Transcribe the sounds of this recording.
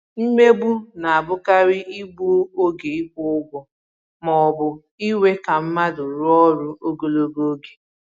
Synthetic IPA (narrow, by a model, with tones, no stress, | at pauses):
m̩˦me˦bu˦na˨a˨bʊ˦ka˦ɾɪ˦ʔi˦ɡ͡bo˦o˦ɡe˨i˦bʊ˦ʊ˦ɡʷɔ˨ | mɔ˨bʊ˨ | i˦we˦ka˨m̩˦ma˦dʊ˨ɾʊ˦ɔ˦ɾʊ˦o˦ɡo˨lo˦ɡo˦o˦ɡe̥˨